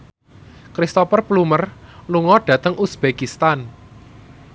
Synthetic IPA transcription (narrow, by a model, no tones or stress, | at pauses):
kɾist̪opərplumərluŋɔɖ̥ä̤t̪əŋʔusb̥ekist̪an